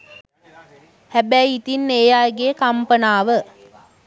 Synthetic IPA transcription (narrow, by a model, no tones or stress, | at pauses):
hæbæjːt̪inːeːjaːeɡeːkampənaːʋə